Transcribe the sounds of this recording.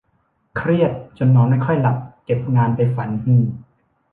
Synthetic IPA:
kʰɾi˥˩ət̪̚t͡ɕo˧nmɔː˧ŋma˥˩jkʰɔ˥˩jla˨˩p̚ke˨˩p̚ŋaː˧npa˧jfa˩˦nhiː˧˥˩

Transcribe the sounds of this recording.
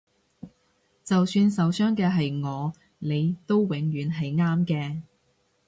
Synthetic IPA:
t͡sɐ˨wsyː˧nsɐ˨˧wsœː˥ŋkɛː˧ɦɐ˨jŋɔː˨˧ | le˨˧jt̪o˥wwɪ˨˥ŋjyː˨˥nɦɐ˨jŋaː˥mkɛː˧

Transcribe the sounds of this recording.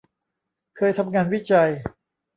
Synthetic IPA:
kʰɤː˧jt̪ʰa˧mŋaː˧nwi˦˥˩t͡ɕa˧j

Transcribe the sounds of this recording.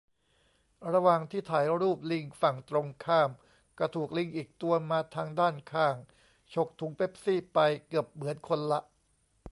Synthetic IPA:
ɾa˧waː˨˩ŋt̪ʰiː˥˩t̪ʰaː˨˩˦jɾuː˥˩p̚li˧ŋfa˨˩ŋt̪ɾo˧ŋkʰaː˥˩m | ka˧˩t̪ʰuː˨˩k̚li˧ŋʔiː˨˩k̚t̪u˧ɐmaː˧t̪ʰaː˧ŋdaː˥˩nkʰaː˧˥˩ŋ | t͡ɕʰo˦˥k̚t̪ʰu˨˩˦ŋpʰe˦˥p̚siː˥˩pa˧jkɯ˨˩əp̚mɯ˩˦ənkʰo˧nla˦˥ʔ

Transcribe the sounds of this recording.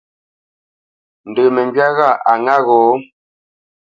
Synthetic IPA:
n̩˨də˨mə˨ɲɡɥa˦ɣa˦˨ʔa˨ŋa˦ɣɔː˨˦

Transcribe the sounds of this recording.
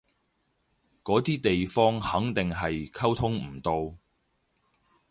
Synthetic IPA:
kɔː˨˥t̪iː˥t̪e˨jfɔː˥ŋhɐ˨˥ŋt̪ɪ˨ŋɦɐ˨jkʰɐ˥wt̪ʰʊ˥ŋm̩˨˩t̪o˧w

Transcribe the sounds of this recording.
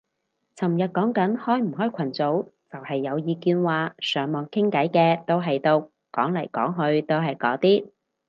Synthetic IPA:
t͡sʰɐ˨˩mjɐ˨t̚kɔː˨˥ŋkɐ˨˥nhɔː˥jm̩˨˩ɦɔː˥jkʷʰɐ˨˩nt͡so˨˥wt͡sɐ˨whɐ˨jːɐ˨˧wjiː˨˧kiː˧nwaː˨sœː˨˧ŋmɔː˨ŋkʰɪ˥ŋkɐ˨˥jkɛː˧t̪o˥wɦɐ˨jt̪o˧w | kɔ̰ː˨˥ŋlɐ˨˩jkɔː˨˥ŋɦɵ˧ɥt̪o˥wɦɐ˨jkɔ̰ː˨˧˥t̪iː˥

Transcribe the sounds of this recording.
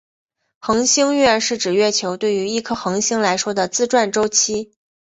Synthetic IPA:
xɤ˧˥ŋɕi˥ŋɥɛ˥˧nʂɻ̩˥˩ʈ͡ʂɻ̩˨˩ɥɛ˥˩t͡ɕʰjo˧˥ʊt̪we˥˩ɪy˧˥i˥˩kʰɤ˥xɤ˧˥ŋɕi˥ŋla˧˥ɪʂwɔ˥d̪ə˨t͡sɹ̩˥˧ʈ͡ʂwa˥˩nʈ͡ʂo˥ʊt͡ɕʰi˥

